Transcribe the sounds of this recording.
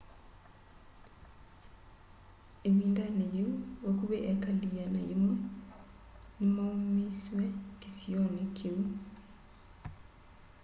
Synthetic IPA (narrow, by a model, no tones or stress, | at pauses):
emindanejeuokuβɛʔɛkalijanajimwɛ | m̩maumiswɛkisiɔnikʰeu